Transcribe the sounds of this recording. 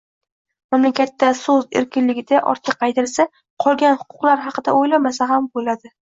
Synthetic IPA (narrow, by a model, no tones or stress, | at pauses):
mamlakʲat̪ːasɵzḛɾkʲɪnlɪɡʲɪd̪aʔɒ̰ɾt̪ʰɪqqːɑjd̪ɪɾsa | qʰɒlˠɡʲanhʊ̥qʰʊ̥qlˠaɾɦɑqɨd̪aojlamasaɦambolad̪ɪ